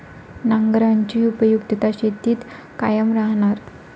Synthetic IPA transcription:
naŋɡɾaɲt͡ɕiːupəjukt̪ət̪aɕet̪iːt̪ | kajəmɾaɦnaɾ

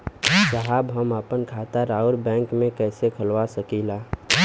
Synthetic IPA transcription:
d͡ʒəɦabɦəməpənkʰat̪aɾaʊɾbɛ̃ŋkmẽkɛːsekʰəlwasəkila

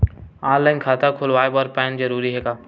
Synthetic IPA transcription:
ãːnlaɪnkʰaːt̪akʰʊlʋaːebɔɾpɛːnzɐɾuːɾiɦɛːɡaː

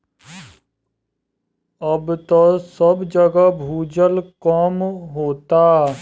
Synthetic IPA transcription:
əbt̪osəbd͡ʒəɡabʱuːd͡ʒəlkɔːmɦoːt̪aː

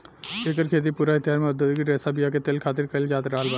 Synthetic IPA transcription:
ekəɾkʰet̪̬ipuɾait̪ijaɾmed̪ud̪ɡiɾesabijaket̪elkʰat̪iɾkəɪld͡ʒat̪ɾaɦəlbə

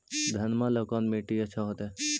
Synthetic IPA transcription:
d̪ʱɐnmaləkaːnmeːʈiət͡ʃʰaɦot̪ɛ

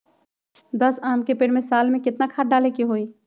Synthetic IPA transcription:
d̪əsaːmkepeɽmẽsaːlmẽkɪt̪nakʰaːʈ̚ɖaːlekiɦoːi

